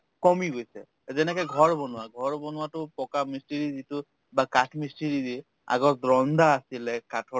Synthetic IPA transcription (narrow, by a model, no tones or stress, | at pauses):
kɔmiɡojsɛ̰ | zɛnɛkɔjɡʱɔɹbɔnʊwaɡʱɔɹbɔnʊwatʊpɔkamistiɹizitʊ | bakatʰmistiɹidi | a̰ɡɔɹd̪ɹɔnd̪aːsilɛkatʰɔ